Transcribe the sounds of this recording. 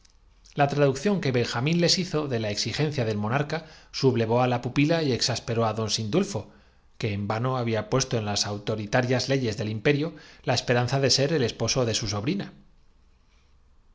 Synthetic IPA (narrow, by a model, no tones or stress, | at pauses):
lat̪ɾaðukθjo̞ŋke̞βe̞ŋxamĩnle̞siθo̞ðe̞lae̞ksixẽ̞nθjaðe̞lmõ̞naɾkasuβle̞β̞o̞alapupilaie̞ksaspe̞ɾo̞aðo̞nsind̪ulfo̞ | ke̞ːmbano̞aβ̞iapwe̞st̪o̞e̞nlasawt̪o̞ɾit̪aɾjazle̞ʝe̞zðe̞limpe̞ɾjolae̞spe̞ɾan̟θaðe̞se̞ɾe̞le̞spo̞so̞ðe̞suso̞βɾina